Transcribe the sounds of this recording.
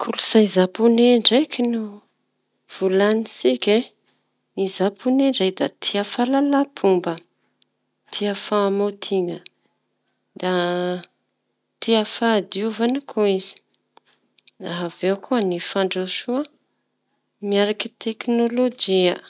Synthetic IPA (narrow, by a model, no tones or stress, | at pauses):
kʰulusajzapuneɳɖ͡ʐajkʲinu | v̥ulanisikʲe | izapʰuneɳɖ͡ʐajd̪at̪ʰiafalalapʰumbə | t̪ʰiafamot̪ʰiŋə | d̪a | t̪ʰiafad̪iuvanəkʰuizi̥ | aɦavewkʰuənifaɳɖ͡ʐaʃuə | miaɾakit̪eknolod͡ʒiə